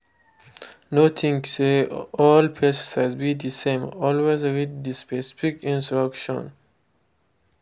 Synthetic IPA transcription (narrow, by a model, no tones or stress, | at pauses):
notʰĩŋseɔlpʰɛssazbid̪isẽmɔlwezɹid̚dispɛsi̥fikĩnsɹakʃɔ̰̃n